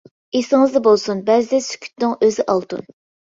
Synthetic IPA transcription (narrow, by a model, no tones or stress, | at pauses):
esɪŋɨzd̪ɛbolˠsunbɛzɪd̪ɛsy̥kʲʰy̥t̪nɨŋʔøzɪʔɑlˠt̪ṵn